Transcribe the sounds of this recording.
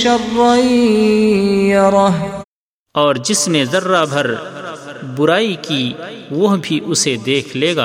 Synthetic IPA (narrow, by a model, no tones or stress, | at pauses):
ʃɐrːaːi | ɾɑ | ɔːɾd͡ʒɪsnezɐrːabʱɐɾ | bʊɾaːikiʋɐɦbʱiʔʊsed̪eːkʰleːɡa̰ː